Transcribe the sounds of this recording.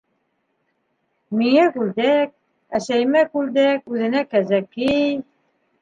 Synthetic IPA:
miŋækʉld̪æk̚ | æʃæjmækʉld̪ækʉðɘ̆nækæzækij

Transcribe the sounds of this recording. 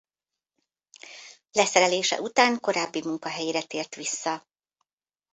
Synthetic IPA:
lɛsɛɾɛleːʃɛ̰ʔut̪aːŋko̞ɾaːbːimuŋkɒɦɛjiɾɛt̪eːrt̪ʋisːɒ

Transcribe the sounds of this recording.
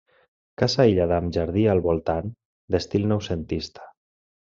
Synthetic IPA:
kasaiʎaðamʒaɾðialˠβolˠt̪an | d̪est̪ilˠnɔwsent̪ist̪ḁ

